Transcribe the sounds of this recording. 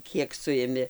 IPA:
ˈkʲiɛk ˈsʊɪmʲɪ

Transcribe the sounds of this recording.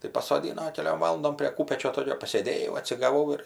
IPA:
tɐɪ pɐsoːˈdʲiːnoː kʲɛˈlʲoːm ˈʋɑːlˠɐndoːm pʲrʲeː ˈkuːpʲɛt͡ʃʲoː ˈtoːkʲoː pɐsʲeːˈdʲeːjɛʊ ɐtʲsʲɪɡɐˈʋɐʊ ɪr

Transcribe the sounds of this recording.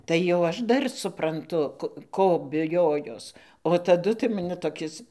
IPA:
tɐɪ jɛʊ ˈɐʃ ˈdɐr sʊprɐnˈtʊ ˈkoː bʲɪˈjoːjoːs oː tɐˈdʊ tɐɪ mɐˈnʲɪ toːˈkʲɪs

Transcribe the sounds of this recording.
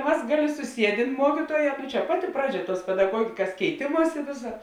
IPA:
ˈmɐs ˈɡɑːˌlʲeː sʊˈsʲiɛdʲeːn ˈmuɔkʲiːtuɔˌjɛː nʊ t͡ʃʲɛ ˈpɑːˌtʲɪ ˈprɑːˌd͡ʒʲɛ ˈtuɔs pʲɛdɐˈɡuɔɡʲɪkɐs kʲɛɪˈtʲeːmuɔsʲɪ ˈʋʲeːsɐ

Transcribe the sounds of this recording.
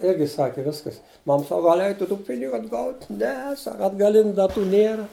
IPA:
ˈɪrʲɡʲɪ ˈsɑːkʲɪ ˈʋʲɪskɐs ˈmɐm ˈsɑːkɐ ɡɐlʲ ˈɛɪtʊ tuː ˈpʲɪnʲɪɡʊ ɐdˈɡɐʊtʲ ˈnʲɛ ˈsɑːkɐ ɐdɡɐˈlʲɪnʲʊ dɐˈtuː ˈnʲeːrɐ

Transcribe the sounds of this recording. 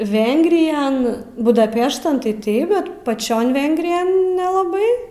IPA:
ˈʋʲɛŋɡrʲɪjɛn bʊdɐˈpʲæːʃtɐn tɐɪ ˈtɐɪp ˈbʲɛt pɐˈt͡ʃʲoːn ˈʋʲɛŋɡrʲɪjɛn nʲɛlˠɐˈbɐɪ

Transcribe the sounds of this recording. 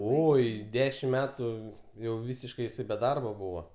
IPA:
ˈoːɪ ˈdʲæːʃʲɪm ˈmʲæːtuː jɛʊ ˈʋʲiːsʲɪʃkɐɪ jɪˈsɐɪ bʲɛ ˈdɐrbɐ ˈbuːʋɐ

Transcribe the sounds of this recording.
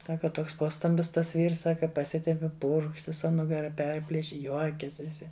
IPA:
ˈsɑːkɐ ˈtoːks ˈpoːstɐmʲbʲɪs tɐs ˈʋʲiːrs ˈsɑːkɐ pɐˈsʲɪtʲɛmʲpʲɪ ˈpʊrkʃt ʋʲɪˈsɐ nʊɡɐˈrɐ ˈpʲɛrʲpʲlʲɪʃʲɪ ˈjuɔkʲɛsʲ ʋʲɪˈsʲɪ

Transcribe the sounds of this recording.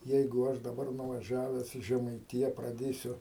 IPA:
ˈjɛɪɡʊ ˈɐʃ dɐˈbɐr nʊʋɐˈʒʲæːʋʲɛs iː ʒʲɛmɐɪˈtʲɪjɛ prɐˈdʲeːsʲʊ

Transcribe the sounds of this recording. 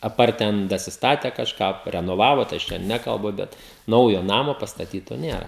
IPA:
ɐˈpɐrt ˈtʲɛn dɐsʲɪsˈtɑːtʲɛ kɐʃˈkɑː pɐrʲɛnoːˈʋɑːʋoː tɐɪ ˈɐʃ tʲɛn ˈnʲæːkɐlˠbʊ ˈbʲɛt ˈnɐʊjoː ˈnɑːmoː pɐstɐˈtʲiːtoː ˈnʲeːrɐ

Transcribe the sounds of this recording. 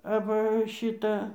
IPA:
ɐˈʋɐ ˈʃʲiːtɐ

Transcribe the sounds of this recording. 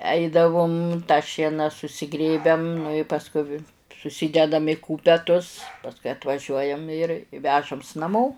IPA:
ˈɛɪdɐʋʊm tɑː ˈʃʲiɛnɐ sʊsʲɪˈɡrʲeːbʲɛm nʊ ɪ pɐsˈkʊ ʋʲɪ sʊˈsʲiːdʲɛdɐm ɪ ˈkuːpʲɛtʊs pɐsˈkʊɪ ɐtʋɐˈʒʲuɔjɛm ɪr ˈʋʲæːʒɐms nɐˈmoː

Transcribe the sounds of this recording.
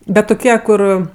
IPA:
ˈbʲɛt tʊˈkʲiɛ ˈkʊr

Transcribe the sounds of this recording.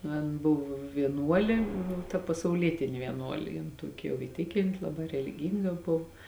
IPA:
nʊ ˈɐn ˈbʊw ʋʲiɛˈnuɔlʲeː ˈnʊ tɐ pɐsɐʊˈlʲiɛtʲɪnʲɪ ʋʲiɛˈnuɔlʲeː jɪn ˈtuɔkʲɪ jɛʊ ɪ ˈtʲɪkʲɪnʲtʲɪ ˈlˠɑːˌbɑː rʲɛlʲɪˈɡʲiːŋɡɐ ˈboːw

